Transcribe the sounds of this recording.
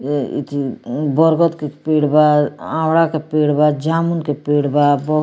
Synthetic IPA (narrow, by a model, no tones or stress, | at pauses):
ḭt̪ʰibɔɾɡɔt̪kepeːɽbaãːwɽakepeːɽbad͡ʒaːmunkepeːɽbabɔ